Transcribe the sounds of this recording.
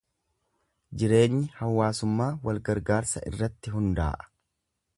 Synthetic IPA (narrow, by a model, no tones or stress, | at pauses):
d͡ʒɪɾe̞ːnːɪhɐwːaːsʊmːaːwɐlɡɐɾɡaːɾsɐ̰ɪ̰rːɐt̪ːɪɦʊnd̪a̰ːʔɐ̥